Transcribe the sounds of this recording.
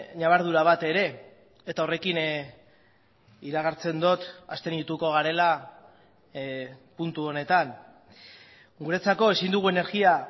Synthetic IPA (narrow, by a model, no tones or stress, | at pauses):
ɲaβ̞aɾð̞uɾaβ̞at̪e̞ɾe̞ | et̪aore̞kin | iɾaɣ̞aɾt͡se̞nd̪o̞t̪ast̪e̞nit̪uko̞ɣ̞aɾe̞la | punt̪uo̞ne̞t̪an | ɡuɾe̞t͡sako̞e̞sind̪uɣ̞ue̞ne̞ɾɣia